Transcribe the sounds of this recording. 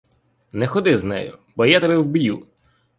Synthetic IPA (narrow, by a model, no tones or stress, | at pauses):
nɛxɔd̪ɪznɛ̰jʊ̰bɔjat̪ɛbɛwbju